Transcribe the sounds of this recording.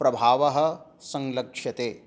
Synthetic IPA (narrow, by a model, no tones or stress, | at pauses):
pɾɐbʱaːʋɐɦɐ̆sɐ̃ŋlɐkʂjɐt̪eː